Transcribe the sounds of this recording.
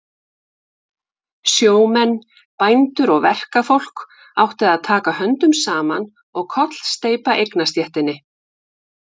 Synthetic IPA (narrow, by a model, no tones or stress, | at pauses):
sjoːwmɛnː | pajnt̪ʏɾɔɣvɛr̥kafowl̥k | awht̪ɪðaðt̪ʰaːkahœnt̪ʏmsaːman | ɔɣkʰɔt̪l̥st̪eːjpaʔejknast̪jɛht̪ɪnːɪ